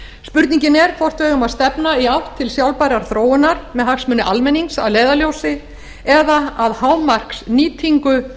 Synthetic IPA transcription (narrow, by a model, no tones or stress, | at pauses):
spʏɾt̪niŋɲcɪnɛɾ̥fɔr̥t̪veːjɣʏmaðst̪ɛpnaiawht̪ʰːɪlsjawlpajɾaɾ̥θɾoːwɪnaɾmɛðhaksmʏːnʏʔalmɛniŋksa̰ðleːjðaljowsɪ | ɛðaaðhaːwmar̥ksniːt̪ʰiŋkʏ